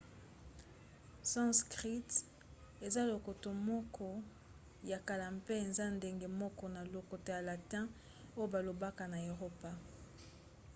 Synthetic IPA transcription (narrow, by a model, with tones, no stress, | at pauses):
sɔ̃˦skʁi˦t | e˨za˦lo˨ko˨to˨mɔ˦kʰɔ˦ | ja˨ka˨la˨mpe˦e˨nza˦nde˦ŋɡe˨mɔ˦kɔ˦na˨lo˨ko˨to˨ja˨la˨tɛ̃˦ | o˦jo˦ba˨lo˨ba˦ka˨na˨e˨ʁo˦pa˦